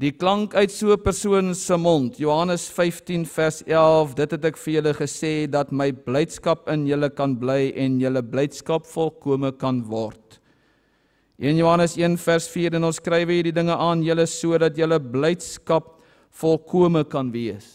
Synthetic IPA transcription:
diklɐŋkœɥtsuəpærsuənsəmɔntʰjoɦɐnəsfɛjftinfærsælˠfdətɦɛtɛkfərjələχəseːdɐtməjblɛjtskɐpənjələkɐnblɛjɛnjələblɛjtskɐpfɔlˠkuəməkɐnvɔrt | ʔiənjuɦɐnəsiənfærsfiːɾɛnɔnskrɛjvəiːdidəŋəʔɑːnjələsuədɐtjələblɛjtskɐp̚ | fɔlˠkʰuəməkɐnviəs

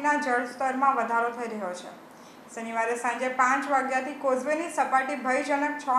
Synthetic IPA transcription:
nad͡ʒəɭst̪əɾmãʋəd̪ʱaɾot̪ʰəiɾəɦjot͡ʃʰḛ | səniʋaɾesãɲd͡ʒepãt͡ʃʋaɡjat̪ʰikozʋenisəpaʈibʱəjd͡ʒənək̚t͡ʃʰɔ

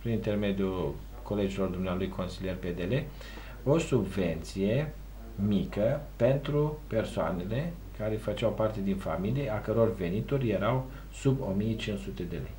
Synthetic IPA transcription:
pɾinint̪e̞rme̞d̪jul | kʰo̞le̞d͡ʒilo̞rd̪umnealujkʰo̞nsilije̞rped̪e̞le̞ | o̞subve̞nt̪sije̞ | mikəpe̞nt̪ɾupe̞rsoa̰ne̞le̞ | kaɾefət͡ʃawpart̪e̞d̪infa̰milijeakəɾo̞rve̞nit̪orʲje̞ɾaw | subo̞̰mije̞t͡ʃinsut̪e̞d̪e̞lḛj

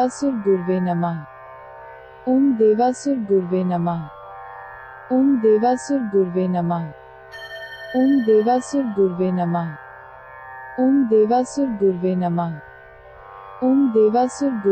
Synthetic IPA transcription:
asʊɾɡʊɾʋenɐmã | ʊmd̪eːʋasʊɾɡʊɾʋenɐmã | ʊmd̪eːʋasʊɾɡʊɾʋenɐmã | ʊmd̪eːʋasʊɾɡʊɾʋenɐma | ʊmd̪eːʋasʊɾɡʊɾʋenɐmã | ʊmd̪eːʋasʊɾɡʊ

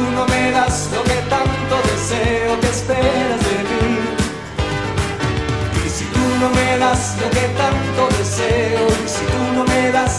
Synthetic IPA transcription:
unõmeðasloket̪ant̪oðeseokespeɾazðet̪i | ḭsit̪unomeðazloket̪ant̪oðeseoisit̪unõmeðas

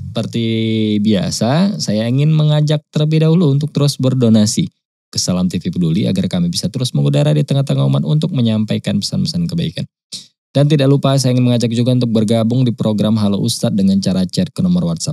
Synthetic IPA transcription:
əpərt̪ibiasasajaiŋɪnməŋad͡ʒak̚t̪əlbidaɦuluːnt̪ʊk̚t̪əɾʊsbərdonasi | kəsalamt̪ifipədulia̰ɡarkamibisat̪əɾʊsməŋudaɾadit̪əŋaht̪əŋomanṵnt̪̬ʊk̚məɲampajkanpə̥sanpəsankəbaika̰n | d̥ant̪idaʔlupas̬ajaiŋɪnməŋad͡ʒak̚d͡ʒuɡaunt̪ʊk̚bərɡabʊŋdipɾoɡɾamɦalaʔust̪at̪̚dəŋant͡ʃaɾat͡ʃɛt̪̚kənomɔrwat̪̚sap̚

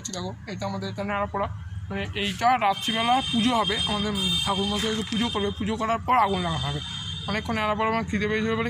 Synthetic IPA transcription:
t͡ʃʰit̪aɡoejʈaamad̪eɾeʈanaɾapɔɽamaneʔejʈaɾat̪ʰːibɛlapud͡ʒoɦɔbeʔamad̪eɾsʰakuɾmɔs̬aet̪epud͡ʒokoɾbepud͡ʒokɔɾaɾpɔɾaɡunlaŋaɦɦabe | ɔnekʰːɔnɛɾap̬ɔɾamakit̪epejd͡ʒʰibebɔle

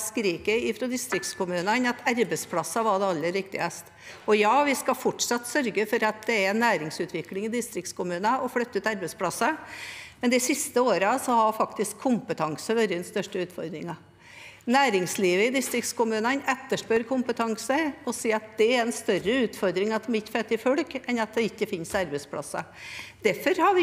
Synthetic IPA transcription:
skɾiːkəɪfɾɔd̪ɪst̪ɾɪk̚t̪skʰʊmʉːnənɑt̪ʰæɾbəspʰlɑsːɑʋɑd̪ɛɑlːəɾɪkt̪ɪ̰əst̪ | ɔjɑːʋɪskɑfɔʈːʂɑt̪ːsœɾɡəfɔɾɑt̪̚d̪ɛæɾnæːɾɪŋsʉːt̪ʰʋɪklɪŋɪd̪ɪst̪ɾɪk̚t̪skʊmʉːnəʔɔflœt̪ːʉːt̪ɑɾbəspʰlɑsːɑmɛnd̪ɪsɪst̪əoːɾəsɔhɑɾfɑkt̪ɪskʰːʊmpət̪ʰɑŋsəʋøɾəɛnst̪œʂʈəʉːt̪fɔɾd̪ɾɪŋɑ | næːɾɪŋsliːʋəɪd̪ɪst̪ɾɪkt̪skʊmʉːnənɛt̪ːəʂpøːɾkʰʊmpət̪ʰɑŋsəɔsiːɑt̪̚d̪̥ɛæɾɛnst̪œrəʉːt̪fɔɾd̪ɾɪŋɑt̪mɪt̪ːfɛt̪ːɪfɔlkɛnɑt̪̚d̪ɛɪkːəfɪnsɑɾbɛspʰlɑ̰sːɑ̰d̪̥æɾfɔɾhɑʋɪ

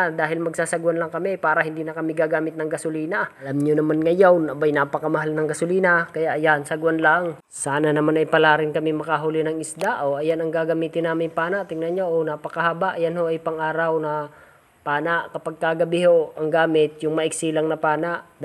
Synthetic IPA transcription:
d̪aːɦɪlmɐɡ̚saːsɐɡɐnlɐŋkɐmipaːɾɐhɪnd̪iːnɐkɐmɪɡaɡaːmɪt̪̚nɐŋɡɐsʊliːnalamɲonɐmanŋɐjawnɐbajnapɐkɐmɐɦalnɐŋɡɐsʊliːnakɐjaʔjansɐɡwɐnlaŋ | saːnɐnɐmanɐjpɐlaːɾɪnkɐmɪmɐkaɦʊlɪnɐŋɪsd̪aʔoʔɐjanɐŋɡaɡɐmiːt̪ɪnːaːmɪpaːnaʔt̪ɪŋnɐɲoʔonapɐkɐhabaʔjanhoʔɐjpɐŋʔaːɾawnɐ | paːnaʔkɐpɐɡ̚kaɡɐbɪhoʔɐŋɡaːmɪt̪̚jʊŋmɐʔɪksilaŋnɐpaːnaʔ

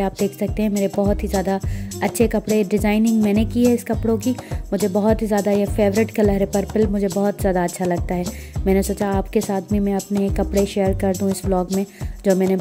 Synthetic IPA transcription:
aːp̚d̪eːkʰsɐk̚t̪eɦɛ̃meːɾebɐɦʊt̪ɦizjaːd̪aɐtːʃʰekɐpɽeɖɪzaːɪnɪ̃ŋɡmɛ̃ːnekiɦɛɪskɐpɽõkimʊd͡ʒʱebɐɦʊt̪ɦizjaːd̪ajefeːʋɾɪʈkelɐɦɾepɐɾpɪlmʊd͡ʒʱebɐɦʊt̪zjaːd̪aɐtːʃʰalɐɡ̚t̪aɦɛː | mɛ̃ːnesoːt͡ʃaaːpkesaːt̪̚ʰbʱimɛ̃ɐpnekːɐpɽeʃeːəɾkɐɾd̪ũɪsblɔːɡmẽd͡ʒoːmɛːne

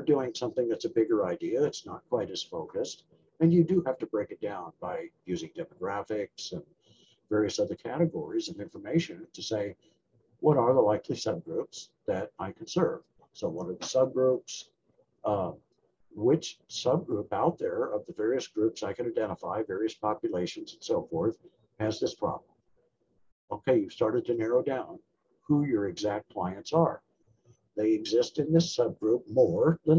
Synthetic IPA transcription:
ə˞dʉɪ̃ŋsʌ̃mθɪ̃ŋðɨtsɨbɪɡə˞aɪdiɨɨtsnə̰t̚kʰw̥aɪɾɨsfoʊkɨst | ɨ̃njɨdɨhæftɨbɹeɪkɨt̚d̥ãʊ̃nbaɪjʉzɪ̃ŋdɛmɨɡɹæfɪksɨ̃n | vɛɹiɨsʌðə˞kʰæɾɨɡɔɹizɨ̃nɪ̃ɱfə˞meɪʃɨ̃ntʰɨseɪ | wʌɾə˞ðəlaɪkʰlisʌb̚ɡɹʉpsðɨɾaɪkʰn̩sɜ˞v̥ | soʊwʌɾə˞ðəsʌb̚ɡɹups | wɪt͡ʃsʌb̚ɡɹupaʊt̪̚ðə˞ʌvðɨvɛɹiɨsɡ̥ɹʉpsaɪkɨ̃naɪdɛ̃ɾ̃əfaɪvɛɹiɨspʰɑpjɨleɪʃɨ̃n̩zn̩soʊfɔɹθ | hɨzðɪspʰɹ̥ɑ̰blə̃m | oʊkʰeɪjʉv̥stɑɹɾɨd̚tʰɨnɛɹoʊdãʊ̃n | hujə˞ɨɡzæk̚t̚kʰl̥aɪɨ̃ntsə˞ | ðeɪɨɡzɪstɨ̃nðɪsʌb̚ɡɹup̚mɔɹðɨ̃

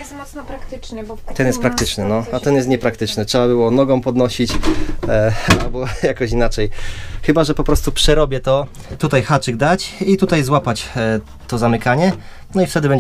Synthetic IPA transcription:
mɔnpɾakt̪ɪt͡ʂɲɛt̪ɛnjɛst̪pɾakt̪ɘt͡ʂnɘnɔat̪ɛnjɛst̪ɲɛpɾak̚t̪ɘt͡ʂnɘtʂɛbabɘwɔnɔɡɔ̃w̃pɔd̪nɔɕit͡ɕ | albɔjakɔɕ̬inat͡ʂɛjxɘbaʐɛpɔpɾɔst̪upʂɛɾɔbʲjɛt̪ɔ | t̪ut̪ajxat͡ʂɘɡ̚d̪at͡ɕit̪ut̪ajzwapat͡ɕ | t̪ɔzamɘkaɲɛ | nɔift̪ɛd̪ɘbɛɲ

